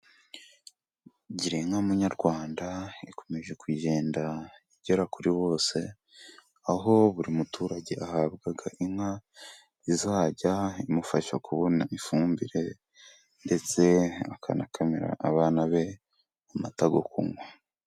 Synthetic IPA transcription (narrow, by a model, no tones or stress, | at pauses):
ɟiɾeŋhamuɲaɾɡwaːndaiko̞me̞ʒe̞kwiːʒe̞ːndaiɟeɾakuɾiβo̞ːse̞ | aɦo̞βuɾimutuːɾaɟe̞ʔahaːbɡaɡaʔiŋha | izaːɟaimufaʃakuβo̞naifuːmbiɾe̞ | nde̞t͡se̞akʰa̰nakameɾa̰aβaːnaβe̞ | umataɡo̰kṵŋwa